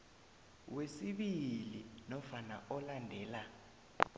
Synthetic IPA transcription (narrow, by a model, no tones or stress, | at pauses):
wesiɓilinɔfanaɔlandʱɛːla